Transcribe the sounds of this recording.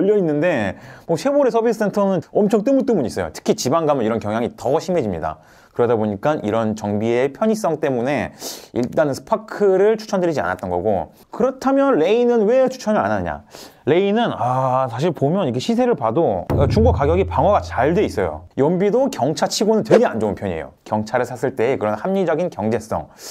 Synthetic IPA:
ʌʎːʌinːɯnde̞mʌsʰe̞boɾesʰʌbis͈ʰɯ̥sʰe̞ntʰʌnɯnʌmt͡ɕʰʌŋt͈ɯmut͈ɯmuɲiːs͈ʌjo̰tʰɯ̥kʰit͡ɕibaŋɡamjʌiɾʌnkjʌŋjaŋitʌɕʰime̞d͡ʑimɲḭda̰ | kɯɾʌdaboɲik͈anʔiɾʌnt͡ɕʌŋbiepʰjʌɲis͈ʌŋt͈e̞mune̞ḭɭt͈anɯnsʰɯ̥pʰakʰɯɾɯɭt͡ɕʰu̥t͡ɕʰʌndɯɾid͡ʑia̰na̰t̚t͈ʌnɡʌ̰ɡo̰ | kɯɾʌtʰamjʌnɭe̞inɯnwe̞t͡ɕʰu̥t͡ɕʰʌnɯɾa̰nanɯɲa̰le̞inɯnasʰaɕ̬ʰiɭpomjʌnikʰeɕʰisʰe̞ɾɯɭpadot͡ɕuŋɡok͈aɡjʌɡipaŋwʌɡat͡ɕaɭdwe̞is͈ʌjo̰jʌmbidokjʌŋt͡ɕʰat͡ɕʰiɡonɯntwe̞ɡe̞and͡ʑounpʰjʌɲiḛjo̰kjʌŋt͡ɕʰaɾɯɭsʰasʰɯɭt͈e̞ːkɯɾʌnhamɲid͡ʑʌɡinkjʌŋd͡ʑe̞s͈ʌ̰ŋ

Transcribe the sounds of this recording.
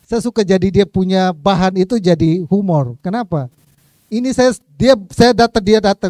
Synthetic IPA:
sajasukad͡ʒadidiapuɲabaɦanit̪ud͡ʒadihumɔrkənapa | inisaja | diasajadat̪əŋdiadat̪ə

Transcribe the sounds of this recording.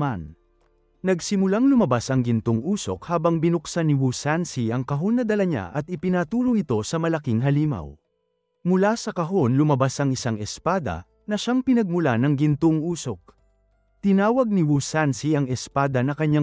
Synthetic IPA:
an | nɐɡsɪmʊlaŋlʊmɐbasɐŋɡɪnt̪oŋʔuːso̞̰k̚haːbɐŋbɪnʊksanɪwusansiɐŋkɐɦo̞nːɐd̪ɐlɐɲa̰ʔɐt̪̚ɪpɪnat̪uːɾoŋɪt̪o̞sɐmɐlɐkiŋɦɐliːmɐ̰w | mʊlasɐkɐɦo̞nlʊmɐbasʔɐŋɪsaŋɛspaːd̪ɐ̰ | nɐʃaŋpɪnɐɡ̚mʊlanɐŋɡɪnt̪oŋuːso̞k̚ | t̪ɪnaːwɐɡ̚niwusansiɐŋɛspaːd̪ɐnɐkɐɲa

